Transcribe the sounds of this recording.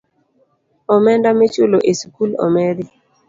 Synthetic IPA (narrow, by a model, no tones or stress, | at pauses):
ɔmɛndamet͡ʃoloʔesukulɔ̰mɛɾi